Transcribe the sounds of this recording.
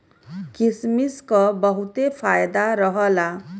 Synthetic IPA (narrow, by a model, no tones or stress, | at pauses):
kismiskobʌɦut̪epʰajd̪aɾʌɦʌla